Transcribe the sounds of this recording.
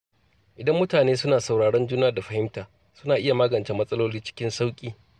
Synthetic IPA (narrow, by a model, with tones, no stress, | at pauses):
ʔɪ˨dɐ˦mːʊ˦taː˨neː˦sʊ˦naː˨sa˨wɽaː˨ɽɔ˦nd͡ʒuː˦naː˦da˨ɸɐ˦hɪ˦mtaː˨ | sʊ˦naː˨ʔɪ˦ja˨maː˦ɡɐ˨nt͡ʃeː˦mɐ˦sʼɐ˦loː˦liː˦t͡ʃɪ̥˦kʲɪ˦nsa˦wkʲʼiː˦